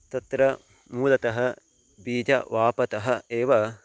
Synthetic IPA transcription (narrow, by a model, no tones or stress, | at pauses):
t̪ɐt̪ɾɐ | muːlɐt̪ɐɦɐ̆ | biːd͡ʒɐ̰ʋaːpɐt̪ɐɦɐ̆eːʋɐ